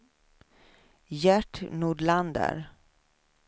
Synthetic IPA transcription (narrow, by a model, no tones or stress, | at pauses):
jæʈnuːɖɭand̪ə̰ɾ